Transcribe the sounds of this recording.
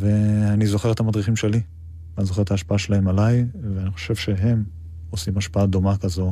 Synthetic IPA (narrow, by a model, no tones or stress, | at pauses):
ve̞anizo̞χe̞et̪hamad̪ʁiχimʃe̞li | anizo̞χe̞et̪aːʃpaaʃelaemalajveaniχo̞̥ʃe̞vʃe̞ɦe̞m | o̞simaʃpaad̪o̞makazo̞